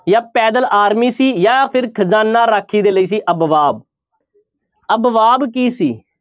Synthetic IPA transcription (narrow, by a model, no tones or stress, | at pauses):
jaːpɛːd̪əlaːɾmiːsiːjaːpʰɪɾkʰəzaːnːãːɾaːkʰːiːd̪eːləiːs̬iːʔəbʋaːb̚ | əbʋaːbkiːsiː